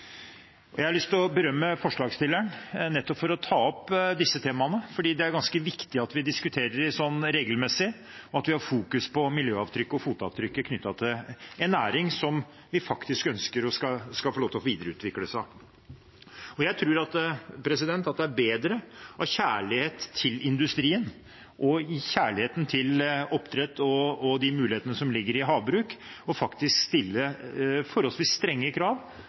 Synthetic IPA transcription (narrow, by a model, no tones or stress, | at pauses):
ɔjæɪɑɭʏst̪ɔbəɾœmːəfɔʂɭɑːɡst̪ɪlːæɳnɛt̪ːɔpfɔɾɔt̪ʰɑːɔpːd̪ɪsːət̪ʰeːmɑnəfɔɖiːd̪ɛæɾɡɑnskəʋɪkt̪ɪɑt̪ʋɪd̪ɪskʉt̪ʰeːɾəɾɪsɔnːɾeːɡəlmɛsɪ | ɔɑt̪ʋɪhɑɾfuːkʉspʰɔmɪljøːɑʋt̪ʰɾʏkːəɔfuːt̪ɑ̰ːʋt̪ʰɾʏkːəkʰnʏt̪ːɑt̪ʰɪlɛnæːɾɪŋsɔm | ʋɪfɑkt̪ɪskœnskəɾɔskɑskɑlfɔloːt̪ʰʋiːd̪əɾəʉ̰ːt̪ʋɪkːləsɑ | ɔjæɪt̪ʰɾʉːɾɑt̪pʰɾɛsɪd̪ɛnt̪ɑt̪̚d̪ɛæɾbeːd̪ɾəʔɑʋçæːɭɪheːt̪ʰːɪlɪnd̪ʉst̪ɾiːən | ʔɔɪçæːɭɪheːt̪n̩t̪ʰɪlɔpt̪ʰɾɛt̪ːɔːd̪ɪmʉːlɪheːt̪ənəsɔmlɪɡːəɾɪɦɑːʋbɾʉːkɔfɑkt̪ɪskst̪ɪlːəfɔɾhɔlsʋɪsst̪ɾɛŋːəkʰɾɑːʋ